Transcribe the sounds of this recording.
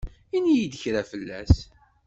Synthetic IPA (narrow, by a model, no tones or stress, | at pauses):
inijid̪əçɾæfəlːæ̰s